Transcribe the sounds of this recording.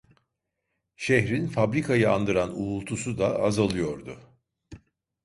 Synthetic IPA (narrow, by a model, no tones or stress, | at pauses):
ʃɛçɾinfabɾikʰajɯa̰nd̪ɯɾanuːlˠt̪ʰusud̪aazalˠɯjo̞ɾd̪ʊ